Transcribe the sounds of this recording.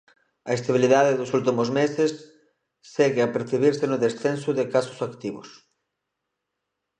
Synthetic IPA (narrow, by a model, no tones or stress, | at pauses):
ɐest̪aβ̞iliðaðeðʊsult̪imʊzmesɪsː | ɛɣeapeɾθiβiɾsenʊðesθensʊðɪkasʊ̥sakt̪iβʊ̰s